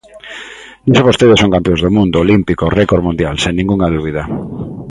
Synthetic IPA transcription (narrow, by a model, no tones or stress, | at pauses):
nisoβost̪eðesõŋkampjõzðomũnd̪oolimpikorekoɾmũnd̪jalseŋnĩŋɡuŋaðuβiða